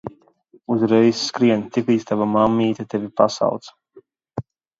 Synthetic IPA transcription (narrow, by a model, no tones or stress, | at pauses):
uzɾɛjsːkɾiɛnt̪iklˠiːt̪st̪avamamːiːt̪at̪evʲipasa̰wt̪s